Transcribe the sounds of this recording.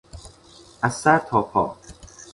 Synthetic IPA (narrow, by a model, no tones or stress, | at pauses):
æsːæɾt̪ʰɒːpʰɒ̰ː